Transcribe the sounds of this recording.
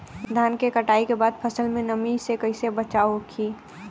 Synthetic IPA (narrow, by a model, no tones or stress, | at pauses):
d̪ʱaːnkekəʈaːikebaːd̪̚pʰəsəlmẽnəmisekəɪsebət͡ʃaːokʰiː